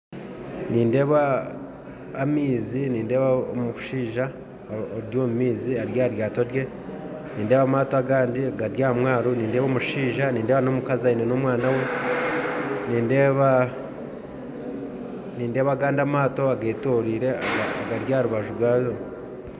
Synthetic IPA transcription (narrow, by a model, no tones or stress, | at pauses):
niːnde̞ːβa | miːziniːnde̞ːβaomu̥ʃiːʒa | oɾjoːmumiːziaɾjaːɾjaːto̞ɾje̞ | niːnde̞ːβamaːtoaɡaːndiaɡaɾjaːmwaːɾoniːnde̞ːβaomuʃiːʒaniːnde̞ːβano̞mukazainenomwaːnawe̞ | niːnde̞ːβa | niːnde̞ːβaːɡaːndamaːto̞aɡeːtoːɾiːɾe̞aɡaːɡaɾjaːɾuβaʒuɾwaːzo